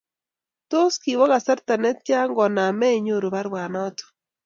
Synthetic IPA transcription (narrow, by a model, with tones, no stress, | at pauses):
to˦ski˨wa˦ɣa˨sa˦ɾta˨nɛ˦t̚t͡ʃa˦ŋɡɔ˨na˨mɛ˦i˨ɲo˦˨ɾo˨βa˦ɾwa˨nɔ˦to̥˨